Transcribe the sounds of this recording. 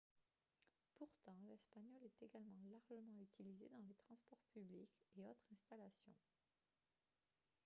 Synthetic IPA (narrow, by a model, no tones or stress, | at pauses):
puʁt̪ɑ̃lɛspaɲɔlɛt̪eɡalmɑ̃laʁʒəmɑ̃yt̪ʰilizḛd̪ɑ̃let̪χɑ̃spɔʁpyblikeot̪χɛ̃st̪alasjɔ̰̃